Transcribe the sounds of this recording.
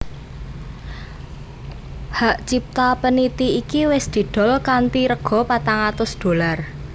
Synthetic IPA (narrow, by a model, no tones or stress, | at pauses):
haʔt͡ʃip̚t̪apənit̪iikiwɪsd̪̥i̤d̪̥ɔ̤lkant̪iɾəɡ̥ɔ̤pat̪aŋat̪ʊsd̪̥o̤lar